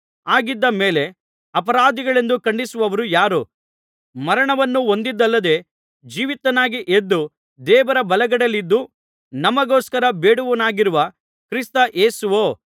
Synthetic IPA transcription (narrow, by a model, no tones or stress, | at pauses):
aːɡid̪ːɐme̞ːle̞ | ɐpɐɾaːd̪iɡɐɭe̞nd̪ukɐɳɖisuʋɐʋɐɾujaːɾu | mɐɾɐɳɐʋɐnːuo̞nd̪id̪ːɐlːɐd̪e̞ː | d͡ʒiːʋit̪ːɐnaːɡiʔed̪ːu | d̪ɛːʋɐɾɐbɐlɐɡɐɽɐlːid̪ːu | nɐmɐɡoːskɐɾɐbeːɽuʋɐnaːɡiɾuʋɐ | kɾist̪ɐʔe̞ːsuʋoː